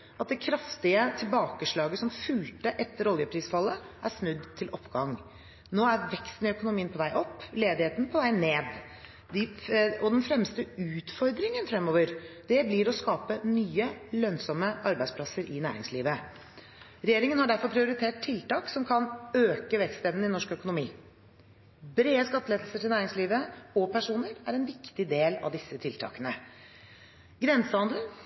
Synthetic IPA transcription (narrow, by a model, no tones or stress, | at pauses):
ʔɑt̪̚d̪ɛkʰɾɑft̪ɪət̪ʰɪlbɑːkəʂɭɑːɡəsɔmfʉlt̪əʔɛt̪ːəɾɔljəpʰɾiːsfɑlːəʔæsnʉd̪t̪ʰːɪlʔɔpːɡɑŋ | noːæɾʋɛkst̪n̩ɪœkʊnʊmiːənpʰɔʋæɪʔɔpːleːd̪ɪheːt̪n̩pʰɔʋæɪneːd̪ | d̪ɪɔd̪ɛnfɾɛmst̪əʉːt̪fɔɾd̪ɾɪŋənfɾɛmːoːʋəɾd̪̥ɛblɪɾɔskɑːpənyːəlœnsɔmːəʔɑɾbæɪdspʰlɑsəɾʔɪnæ̰ːɾɪ̰ŋsliːʋə | ɾɛjeːɾɪŋənhɑɖæɾfɔɾpʰɾɪʊɾɪt̪ʰeːʈ̚t̪ʰːɪlt̪ɑːksɔmkʰɑnøːkəʋɛkst̪ɛʋnɪnɔʂkœkʊnʊmiː | bɾeːəskɑt̪ːəleːd̪əlsəʈʰɪlnæːɾɪŋsliːʋəɔpʰæʂuːnəɾæɾɛnʋɪkt̪ɪd̪eːlɑ̰ʋd̪ɪsːət̪ʰɪlt̪ʰɑ̰ːkənə | ɡɾɛnsəɑnd̪lə